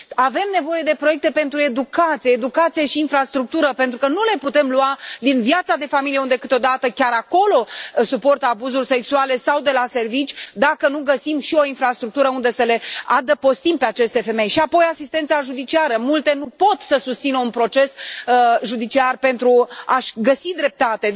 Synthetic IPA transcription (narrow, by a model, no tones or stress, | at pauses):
ave̞mne̞vo̞je̞d̪e̞pɾojek̚t̪e̞pe̞nt̪ɾue̞d̪ukat̪sijeːd̪ukat̪sijeʃiːnfɾast̪ɾuk̚t̪uɾəpe̞nt̪ɾukənule̞put̪e̞mluad̪invjat̪sad̪e̞familijeund̪e̞kɨt̪od̪at̪əkʲaɾako̞lo̞supo̞rt̪əabuzurʲse̞ksuale̞sawd̪e̞lase̞rvit͡ʃʲd̪akənuɡəsimʃio̞infɾast̪ɾuk̚t̪uɾəund̪e̞səle̞ad̪əpo̞st̪impe̞at͡ʃe̞st̪e̞fe̞me̞jʃiapo̞jasist̪e̞nt̪saʒud̪it͡ʃiaɾəmult̪e̞nupo̞t̪səsust̪sinəunpɾo̞t͡ʃe̞s | ʒud̪it͡ʃiarpe̞nt̪ɾuaʃɡəsid̪ɾe̞p̚t̪at̪e̞